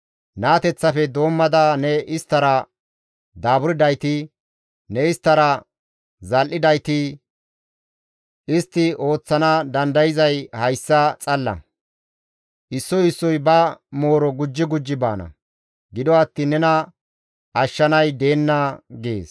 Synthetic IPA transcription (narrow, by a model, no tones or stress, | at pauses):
naːt̪ɛt͡sːɐfɛd̪o̞ːmːɐd̪aːnɛɪst̪ːɐɾɐ | d̪aːbʊɾɪd̪ɐjt̪ɪ | nɛɪst̪ːɐɾɐ | zɐlʔɪd̪ɐjt̪ɪ | ɪst̪ːɪo̞ːt͡sːɐnad̪ɐnd̪ɐjɪzɐjhɐjsːɐt͡sʼɐlːɐ̰ | ʔɪsːɔjɪsːɔjbɐmo̞ːɾɔɡʊd͡ʒːɪɡʊd͡ʒːɪba̰ːnɐ̰ | ɡɪd̪ɔɐt̪ːɪnːɛnɐ | ʔɐʃːɐnɐjd̪e̞ːnːɐɡḛːs